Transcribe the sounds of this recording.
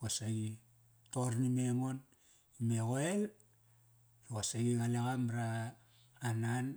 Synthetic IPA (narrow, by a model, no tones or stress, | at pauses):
osaɡi | toɾnime̞mo̞n | imeɣo̞el | ɾoasaɡiɡalaɣamɾaː | nan